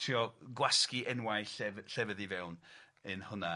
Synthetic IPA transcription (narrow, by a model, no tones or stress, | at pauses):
tʰriɔɡwaskiʔɛnwajɬɛɬɛvəðivɛwn | ənhʊna